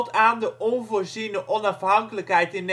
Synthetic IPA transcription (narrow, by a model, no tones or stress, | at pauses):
tʰaːndəʔɔnvoːɹzinəʔɔnɑfɦɑŋkələkɦɛjtɪn